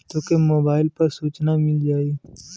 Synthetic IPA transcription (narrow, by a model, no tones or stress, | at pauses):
t̪oːkemoːbaːɪlpɐɾsuːt͡ʃnamɪld͡ʒaːi